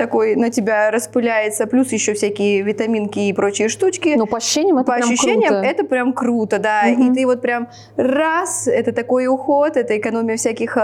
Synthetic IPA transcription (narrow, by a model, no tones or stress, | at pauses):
t̪ɐko̞jnətʲɪbʲaɾəspɨlʲæjɪt̪səplʲusjɪɕːofsʲækʲɪjəvʲɪt̪ɐmʲinkʲɪːpɾo̞t͡ɕɪjəʂt̪ut͡ɕkʲɪnupəɐɕɕːenʲɪjəmɛt̪pəɐɐʃːʏɕːeɪjəɛt̪əpɾʲamkɾut̪əd̪ait̪ɨvo̞t̪̚pɾʲam | rasɛt̪ət̪ɐko̞jʊxo̞t̪ɛt̪əɪkɐno̞mʲɪjəfsʲækʲɪx